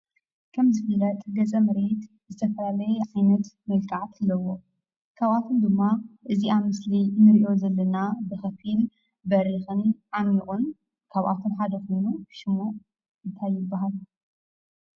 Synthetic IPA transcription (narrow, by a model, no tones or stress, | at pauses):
kʰɐmzɨfɨlːɐt̪ʼɡɐt͡sʼɐmɐɾet̪ | zɨt̪ʰɐfɐlalɐjɛʕajnɐt̪mɐlkʼaʕt̪ʰalːɐwo̞ | kʰaβat̪ʰond̪ɨmːaʔɨziʔaβmɨslinɨɾiʔo̞zɐlːɐnabɨxɐfil | bɐɾixɨnʕamikʼun | kʰaβʔa̰t̪ʰomħad̪ɐko̞jnuʃɪmo | ɨnt̪ʰajːɪbːaɦalu